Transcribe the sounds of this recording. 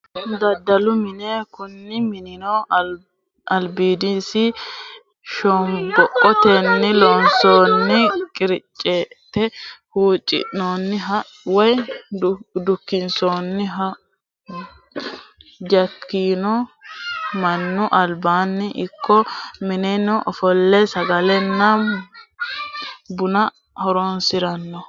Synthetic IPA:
d̪ɐd̪ːɐlʊmɪneːkʊnːɪmɪnɪno | ɐlbiːd̪isɪ | ʃɔmbɔʔɔt̪ɛnːɪloːnsoːnːɪkʼɪɾɪt͡ʃʼːeːt̪ːɛhuːt͡ʃʼːɪ̰ʔnoːnːɪɦɐ | wɔj | d̪ʊkːɪnsoːnːɪɦɐ | d͡ʒɐkʰːiːnɔ | mɐnːʊʔɐlbaːnːɪʔɪkʰːɔmɪnɛnɔʔɔfɔlːɛsɐɡɐlɛnːɐ | bʊnɐ | hɔɾɔnsɪɾɐnːɔ

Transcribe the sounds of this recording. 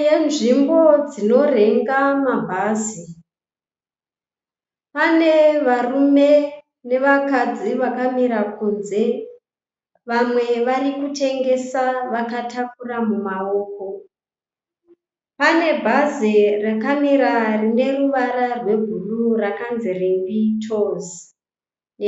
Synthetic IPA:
jenʐimbo̞d͡zino̞reŋɡamabʱaːzi | pane̞ʋarume̞ | ne̞ʋakad͡ziʋakamiɾakunze̞ | ʋamwe̞ʋarikute̞ŋɡe̞saʋakatakuramumaoːko̞ | pane̞bʱazirakamiɾarine̞ruʋaɾarwe̞ɡʱulurakanzirimbitʰozi

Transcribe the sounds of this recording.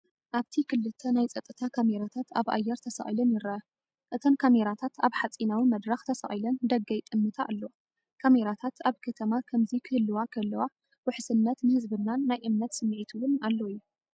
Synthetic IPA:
ʔaβt̪ʰikʰɨlːɨt̪ʰːɐnajt͡sʼɐt̪ʼːɨt̪ʰakʰameɾat̪ʰat̪a̰βʔa̰jːɛɾt̪ʰɐsa̰ʔʼilɐnjɪɾɐʔɐ | ʔɨt̪ʰɐnkʰameɾat̪ʰat̪aβħat͡sʼinawimɐd̪ɾɐxt̪ʰɐsa̰ʔʼilɐnd̪ɐɡːɐjt̪ʼɨmːɨt̪ʰaʔːlːo | kʰameɾat̪ʰat̪aβkʰɐt̪ʰɐmakʰɐmzikʰɨhɨlːɨwakʰɨɨlːɐwa | wʊħsɨnːɐt̪nɨhɨzbɨnːanːajʔɨmnɐt̪sɨmːɨʕit̪ʰuwʊnalːoijːu

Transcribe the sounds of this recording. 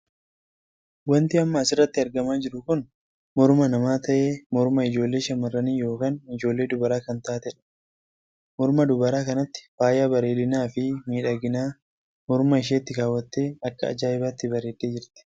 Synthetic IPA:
wɐnt̪ɪɐmːɐːsɪrːɐt̪ːɪɐɾɡɐmaːd͡ʒɪɾʊkʊn | mɔɾmɐnɐmaːt̪ɐʔeːmɔɾmɐɪd͡ʒo̞ːlːe̞ːʃɐmɐrːɐniːjo̞ːkaːnɪd͡ʒo̞ːlːe̞ːd̪ʊbɐɾaːkɐnt̪aːt̪ɛᶑɐ̥ | mɔɾmɐd̪ʊbɐɾaːkɐnɐt̪ːɪ̥faːjaːbɐɾe̞ːd̪ɪnaːfɪmiːᶑɐɡɪnaː | mɔɾmɐɪʃ̬eːt̪ːɪkaːwːɐt̪ːe̞ːɐkːɐ̰ːd͡ʒaːɪbaːt̪ːɪbɐɾe̞ːd̪ːeːd͡ʒɪɾt̪ɪ̥

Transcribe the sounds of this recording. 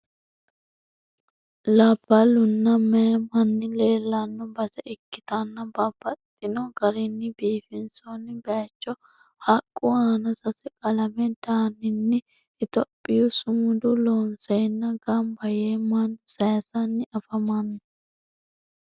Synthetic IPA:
lɐbːɐlʊnːɐmɛjmɐnːɪle̞ːlːanːɔbɐsɛʔɪkːɪt̪ɐnːɐbɐbɐt̪ʼːɪnɔɡɐɾɪnːɪbiːfɪnsonɪbɛjɐt͡ʃːɔ | hɐkʼːʊaːnɐsɐsɛkʼɐlɐmɛd̪̥aːnɪnːɪ | ɪt̪ɔpʼːɪjʊsʊmʊd̪ʊloːnsɐjnːɐɡɐmbɐjeːmɐnsɐjɐsɐnːɪʔɐfɐmɐnːʊ

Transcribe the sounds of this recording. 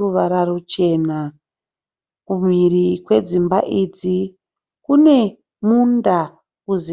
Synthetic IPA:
uʋaɾarut͡ʃe̞na | kumirikwe̞d͡zimba̰ʔiːd͡zi | kune̞ | munda | kuzi

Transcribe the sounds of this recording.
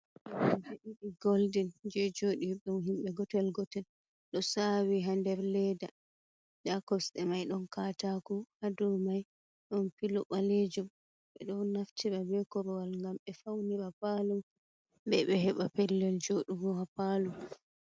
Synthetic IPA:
d͡ʒiɗiɗiɡoldind͡ʒɛd͡ʒoːɗiɓɛunɦimɓɛɡɔtɛlɡɔtɛl | ɗɔsawiɦandɛɾlɛda | d͡ʒakɔsɗɛmajɗɔnkatakuhadɔmaj | ɗɔnpilɔɓaled͡ʒum | ɓɛ̰ɗɔnaftʰiɾabɛkɔɾɔwalŋɡamɓɛfawniɾapalum | bɛɓɛɦɛɓapɛlːɛld͡ʒoɗuɡɔhapalum

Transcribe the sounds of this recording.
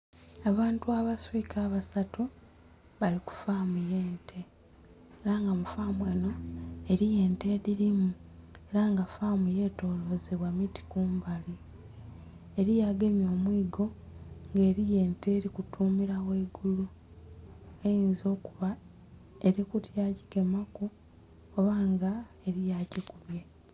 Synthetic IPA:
aβaːntuaβaswikʰaːβasatu | βaliku̥faːmujeːntʰe | eɾaŋɡamufaːmweːno̞eɾije̞ːnte̞ːɾiɾimueɾaŋɡafamuje̞ːto̞ːlo̞zeβwamiti̥kuːmbali | eɾijaɡe̞mjo̞ːmwiːɡo̞ | ŋɡe̞ːɾije̞ːnteːɾikutʰuːmiɾaweːɡulu | e̞jiːnzo̞ːkuβa | eɾikutjaci̥ɡe̞maku | oβaːŋɡa | e̞ɾijacekuβje̞

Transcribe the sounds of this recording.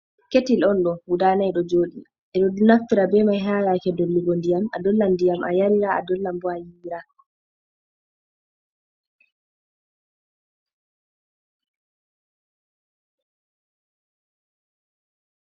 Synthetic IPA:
ketilɔnɗɔwudaːnajɗɔd͡ʒoːɗi | ʔɛɗɔnaftiɾabɛmajɦaːlakɛdolːuɡondijama̰dɔlːandijamʔa̰jaɾiɾaa̰dɔlːambɔajiɾa

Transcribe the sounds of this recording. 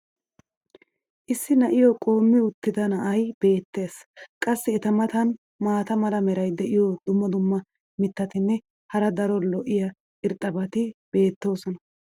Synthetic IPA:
ʔɪsːɪnɐʔɪjɔkʼo̞ːmːɪʊt̪ːɪd̪ɐnɐʔɐjb̥e̞ːt̪ːe̞ːskʼɐsːɪɛt̪ɐmɐt̪ɐn | maːt̪ɐmɐlɐmɛɾɐjd̪ɛʔɪjɔd̪ʊmːɐd̪ʊmːɐ | mɪt̪ːɐt̪ɪnːɛ | hɐɾɐd̪ɐɾɔlɔʔɪjɐ | ʔɪɾt̪ʼːɐbɐt̪ɪb̥e̞ːt̪ːo̞ːsɔnɐ

